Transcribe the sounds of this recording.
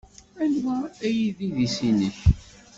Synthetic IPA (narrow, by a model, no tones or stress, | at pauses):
ænwæːjiðiðisinəç